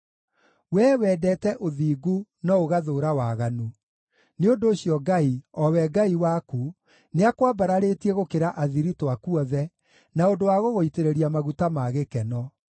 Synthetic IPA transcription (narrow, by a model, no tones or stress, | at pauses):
wɛːwɛːdɛtɛʔoðiːɡunɔoɣaðoːɾawaɣanu | neondoːɕijɔɡaiɔwɛɡaiwaku | neakwabaɾaɾeːtiɛɣokeɾaʔaðiɾitwakuɔðɛ | naondowaɣoɣoiteɾeɾiamaɣutamaɣekɛnɔ